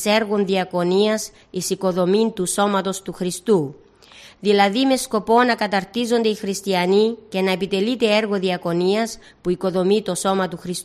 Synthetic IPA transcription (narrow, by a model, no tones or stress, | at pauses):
e̞ɾɣo̞nðiɐko̞niɐs | isiko̞ðo̞mint̪uso̞mɐt̪o̞st̪uxɾist̪u | ðilɐðime̞sko̞po̞nɐkɐt̪ɐɾt̪izo̞nd̪e̞ixɾist̪iɐnice̞nɐepit̪e̞lit̪e̞e̞ɾɣo̞ðiɐko̞niɐs | puiko̞ðo̞mit̪o̞so̞mɐt̪uxɾis